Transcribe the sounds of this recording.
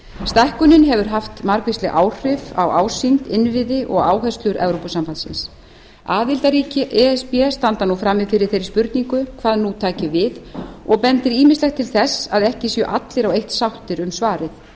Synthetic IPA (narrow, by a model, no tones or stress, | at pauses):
st̪ahkʏnɪnɦɛvʏɾ̥ɦaft̪maɾkvɪst̪lɛɣʔaːwr̥ɪva̰waːwsint̪ɪnvɪðɪʔɔɣaːwhɛst̪lʏɾʔɛvɾopʏsamfant̪sɪ̰ns | aːðɪlt̪aɾiːcɪʔɛɛspiɛst̪ant̪anufɾaːmːɪfɪːɾɪɾ̥θejɾɪ̥ɾspʏɾt̪niŋkʏkʰv̥aːðnut̪ʰaːcɪvɪðɔɣpɛnt̪ɪɾiːmɪst̪lɛxt̪ʰɪlθɛsːaðɛhcɪsjœʔat̪lɪɾawejht̪sawht̪ɪɾʏmsvaːɾɪθ